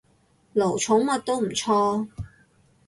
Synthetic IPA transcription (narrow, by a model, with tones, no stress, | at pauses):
lo˨˩wt͡sʰʊ˨˥ŋmɐ˨t̚t̪o˥wm̩˨˩t͡sʰɔː˥